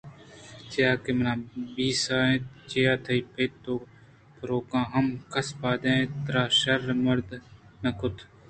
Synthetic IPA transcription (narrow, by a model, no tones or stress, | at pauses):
t͡ʃjaːkemnãːbiːsaːẽːt͡ʃijaːt̪ʰɐipeːt̪ːoː | pɾoːkãːɦɐmkʰɐspaːd̪ẽːt̪ɾaːʃɐɾmɐɾd̪nɐkʊt̪ʰ